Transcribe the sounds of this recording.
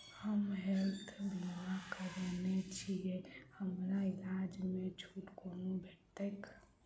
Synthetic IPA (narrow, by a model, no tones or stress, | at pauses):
həmɦɛlt̪ʰbʱoakəɾenet͡ʃʰijehəmɾailad͡ʒmet͡ʃʰuʈkonũbʱet̪ək